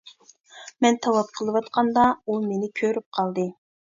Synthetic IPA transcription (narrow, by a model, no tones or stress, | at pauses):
mɛnt̪ʰɑwɑp̚qʰəlˠɨwɑt̪qʰɑnd̪ɑumenɪkʲʰøɾyp̚qʰɑlˠd̪ɨ